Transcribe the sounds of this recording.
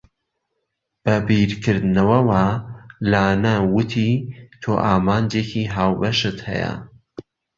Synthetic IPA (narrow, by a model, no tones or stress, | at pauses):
b̥ɐbiɾkʰɨɾd̪ɨnɐwɐwalaːnɐwʊt̪ʰit̪ʰoːʔaːmaːnd͡ʒeːcʰiɦaːwbɐʃɨt̪hɐ̰jɐ̰